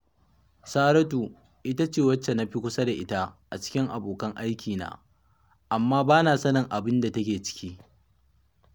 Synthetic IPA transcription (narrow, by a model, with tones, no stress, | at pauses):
saː˦ɾɐ˦tu˨ | ʔɪ˦ta˦t͡ʃeː˦˨wɐ˦t͡ʃːe˨na˦ɸi˦kʷʊ˦sɐ˦da˨ʔɪ˦ta˦ʔa˨t͡ʃɪ̥˦kʲɪ˦ŋʔa˨boː˨kɐ˦ŋʔa˦jkʲiː˨na̰ː˦ | ʔa˨mːaː˦baː˦naː˨sɐ˦nɐ˨ŋʔa˨bɪ˦nda˨tɐ˦kʲeː˨t͡ʃɪ̥˦kʲiː˦